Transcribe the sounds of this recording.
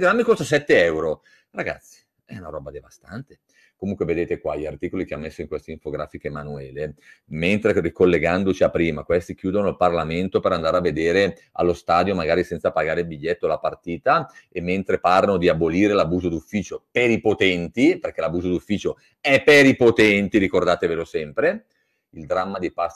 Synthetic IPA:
ɡɾamːikost̪asɛt̪ːeɛwɾo | raɡa̰t̪sːi̥ | ɛunaɾɔːbad̪evast̪a̰nt̪e̥ | komuŋkweved̪eːt̪ekwaʎːiart̪iːkolikeamːesːoiŋkwest̪eiɱfoɡɾaːfikemanuɛːlement̪ɾerikolːeɡand̪ot͡ʃiapːɾiːma̰kwest̪ik̟juːd̪onoilparlament̪opeɾand̪aːɾeavːed̪eːɾe | a̰lːost̪aːd̪jomaɡaːɾisɛnt̪sapaɡaːɾeilbiʎːɛt̪ːolapart̪iːt̪aemːent̪ɾepaɾanod̪iaboliːɾelabuːzod̪ufːiːt͡ʃopeɾipot̪ɛnt̪iperk̟ɛlabuːzod̪ufːiːt͡ʃo | ɛpːeɾipot̪ɛnt̪iɾikord̪aːt̪evelosɛmpɾe | ild̪ɾamːad̪ipas

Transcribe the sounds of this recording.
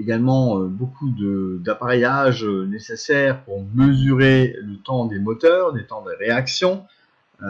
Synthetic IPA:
eɡalmɑ̃øbokud̪əd̪apaʁejaʒønesesɛʁpuʁməzyʁelət̪ɑ̃d̪emɔt̪œːʁd̪et̪ɑ̃d̪əʁeaksjɔ̃

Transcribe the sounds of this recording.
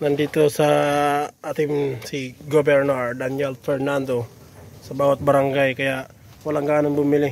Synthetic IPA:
nand̪it̪osa | ʔat̪ɪmsiɡobɛɾnɔɾd̪anɛlfɛɾnand̪o | sabawat̪̚baɾaŋɡajkajaʔ | walaŋɡaanaŋbumilɪ

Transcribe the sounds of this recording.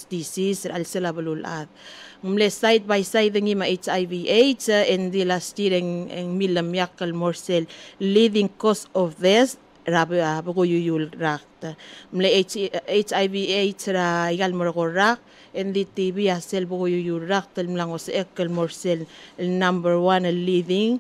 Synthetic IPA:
disisɾalselaβəlulʔaðŋmlesajt̪̚bajsajðəŋimaʔejt͡ʃajviʔejt͡ʃəend̪ilastiɾeḛŋmiləmjakəlmoɾselːiðiŋkosofðes | ɾabəɡujujulɾak̚tamleejt͡ʃajviejt͡ʃɾajɡalməɾɣoɾak̚ | end̪itibiaselbəɣujujulːak̚t̪əlmlaŋosʔekːəlmoɹsellnambəɾwanelːiðiŋ

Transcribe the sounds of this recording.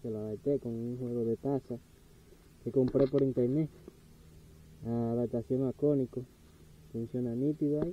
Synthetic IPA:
selaβet̪ekoŋuŋhweɣoðet̪asa | kekompɾepoɾint̪eɾne | aðat̪asjoŋakoniko | funsjonanit̪iɣoai

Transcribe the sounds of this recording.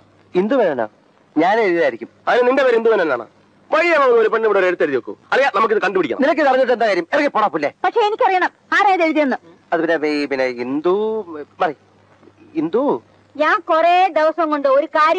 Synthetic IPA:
ind̪uʋɐnenːa̰ | ɲaːneɻðilaːjiɾikʲːumɐðineninde̞peːɾend̪umɐnːenːa̰ːɳa̰ | ʋɐɻijɐmːɐunːoɾupeɖmiɽoɾeɽut̪ːeɾuðiʋokːṵɐlijanɐmuk̬ːiðɨkɐɳɖupiɽikʲːɐ̰ninɐk̬ʲːɨt̪ɐrɐɲːiʈ̬ːe̞nd̪akaːɾjɐmerɐkːepoɽɐpːilːepɐkʂe̞enikʲːɐrijɐɳɐm | aːreːðeɻuðijɐnːɨ | ɐðɨpinːepinːeind̪umɐri | ind̪u | ɲaːnkoreːd̪eʋɐsɐŋkoɳɖɨoɾukaːɾj

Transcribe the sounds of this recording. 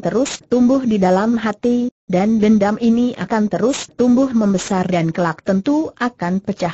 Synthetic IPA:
t̪əɾʊst̪umbʊhdidalamɦat̪idanbəndaminia̰kant̪əɾʊst̪umbʊhməmbəsardankəlak̚t̪ənt̪uakanpət͡ʃah

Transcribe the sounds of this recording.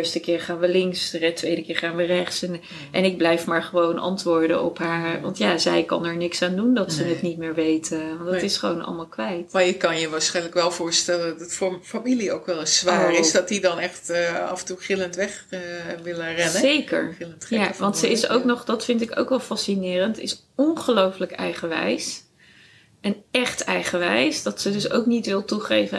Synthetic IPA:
ɪɹstəkɪːɹχaːnʋəlɪŋksərɛtʋejdəkɪːɹχaːnʋərɛχtsɛn | ʔɛnɪɡ̚blɛjfmaːɹχəʋownʔɑ̰ntʋʊːɹdənɔ̰pɦaːɹʋɑ̰ntjaːzɛjkɑ̰nɛɹnɪksaːndundɑtsənətnitmɪːɹʋejtəʋɑndɑtɪsχəʋo̰wnɑ̰lˠmaːlˠkʋɛjtmaːɹjəkɑnjəʋaːɹsχɛjnləkʋɛlˠvʊːɹstɛləntffamiliowkʋɛlˠəssʋaːrɪsdɑtdidɑnɛχtɑ̰vəntuχɪləntʋɛχʋɪlərɛznəejkə̰ɹɪləntjjaʋɑntsəɪso̰wknɔχdɑtfɪntɪko̰wkʋɛlˠfɑsinɪːrəntɪ̰s | ɔnχəlowfləkɛ̰jχəʋɛ̰js | ʔɛnɛχtɛjχəʋɛjsd̥ɑtsədɵso̰wknitʋɪlˠtuχejvə

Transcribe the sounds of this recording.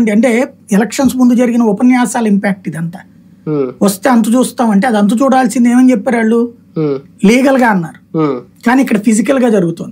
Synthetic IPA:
ɳɖiɐɳʈe̞ːɛlɐkʂɐnsmund̪ud͡ʒɐɾiɡinɐɔpɐnjaːsaːlɐimpaːk̚ʈid̪iɐnt̪a | ʋɐst̪e̞ːɐnt̪ɐt͡ʃuːst̪aːmɐɳʈe̞ɐd̪ɐnt̪̬ɐt͡ʃuːɽaːlsind̪eːmɐnt͡ʃɛpːaːɾaɭːu | liːɡɐlɡaːɐnːaːɾukaːniːkːɐɽɐpʰisikɐlɡaːd͡ʒɐɾuɡut̪oːnd̪i

